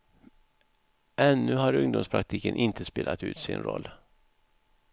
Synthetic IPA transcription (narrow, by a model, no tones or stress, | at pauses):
ʔɛnːɵɦaɾɵŋd̪ʊmspʰɾak̚t̪ʰiːkənʔɪnt̪ʰəspeːlʔat̪ʉ̟ːt̪sɪ̰nɾɔlː